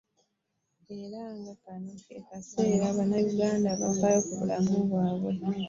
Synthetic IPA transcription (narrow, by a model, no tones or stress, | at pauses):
e̞ɾaŋɡakanokḛkase̞ːɾaβanajuɡaːndaβa̰fajokuβṵla̰muβwaːβwe̞